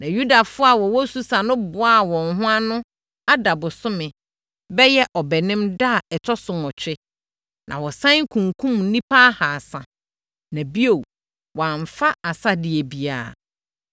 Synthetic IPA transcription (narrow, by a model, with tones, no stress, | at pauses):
nã˨ju˦da˨fʊ˦a˨wɔ˨wɔ˦su˦sa˨nʊ̃˦bʊ˨a˦˨wɔ̃˨nɦʊ̃˦a˦nʊ̃˦ | a˦da˨bʊ˨sʊ˦mɪ̃˨ | bɛ˦jɛ˦ʔɔ˨bɛ˨nɪ̃˦mda˦˨ɛ˨tʰɔ˦sʊ̃˨mɔ˨t͡ɕʰᶣɪ˦ | nʔã˨wɔ˨sã˦ŋ˦kʰũ˨ŋkʰũ˦mn̩˦nĩ˦pʰa˦ha˨sã˨ | nã˨bi˦o˨ | wɔ˨a˨ɱ˨fa˦a˨sa˦dɪ˨ɛ˨bi˨a̰ː˨